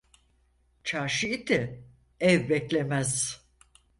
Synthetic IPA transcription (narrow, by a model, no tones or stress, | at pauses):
t͡ʃʰaɾʃiit̪ʰɛ | ɛvbɛclʲemæz̥